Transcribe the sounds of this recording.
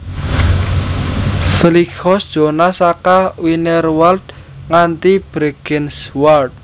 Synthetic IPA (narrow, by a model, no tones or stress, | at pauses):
fəlikʰɔsd̥ʒ̥o̤nasakawinɛrwald̪ | ŋant̪ib̥ɾeɡ̥ɛnswald̪̚